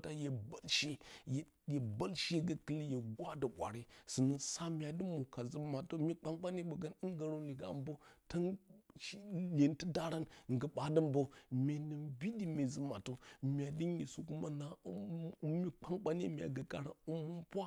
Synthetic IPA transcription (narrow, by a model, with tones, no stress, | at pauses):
ta˦je˨ba˦lʃe˦j | je˨ba˦lʃɡə˦kə˦li˦je˨ɡwa˦də˨ɓʷa̰˨ɾi˦sɨ˨nə˨sa˦mʲ˦a˨di˦mu˨ka˨zə˦ma˨to˦mʲi˦k͡pa˦ŋk͡pa˦ni˦ɓə˨ɡə˦ni˦ŋ˦ɡə˨ɾo˦ni˨ɡa̰˨mbo˦tə˦nʃle˨ntə˦da˦ɾa˦nŋ̩˨ɡə˨ɓa˨də˦mbo˦mʲe˨nə˨nbi˦di˦mʲe˨zə˦ma˨to˦mʲ˦a˨di˦n˦i˨su˨ku˦ma˦na˨˦mi˦k͡pa˦ŋk͡pa˦ni˦mʲ˨a̰˨ɡə˨ka˨ɾa̰˨u˦mu˦mpʷa˦